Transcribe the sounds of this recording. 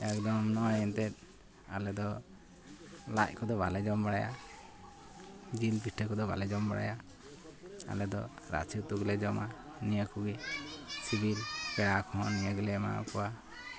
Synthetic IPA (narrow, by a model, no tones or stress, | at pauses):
akd̪ɔmnɔajɛnt̪ɛt̪̚ | alɛd̪ɔ | la̰c̚kɔd̪ɔβalɛd͡ʒɔmbaɽaja̰ | d͡ʒilpiʈʰəkɔd̪ɔba̰lɛd͡ʒɔmbaɽa̰ja | a̰lɛd̪ɔ̰ | ɾa̰t͡ʃʰut̪uɡlɛd͡ʒɔmanijəkuɡisibʱilpɛɽakʰɔ̃nijəɡlɛma̰kɔwa